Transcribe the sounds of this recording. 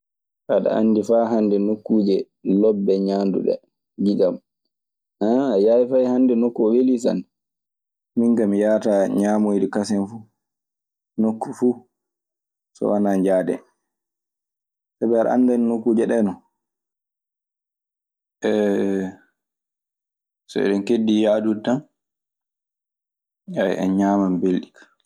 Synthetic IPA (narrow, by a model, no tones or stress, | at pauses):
ʔaɗa̰a̰nːdifaɦandɛnokːuːd͡ʒɛ | lɔbːɛɲandṵɗɛ̰ | ɡid͡ʒam | aajajifajhandɛnokːuɔwelis̬a̰nɛ | miŋkamijaːtaɲaːmojdikasɛnfu | nokːufuː | sɔ̰wanaɲd͡ʒaːdɛ̰ | sabɛaɾa̰ʔa̰ndannokːud͡ʒɛɗɛnɔ | ʔɛ | sɔ̰ɛ̰ɗɔnkedːijadutːan | ajɛ̰ɲamambelːikḁ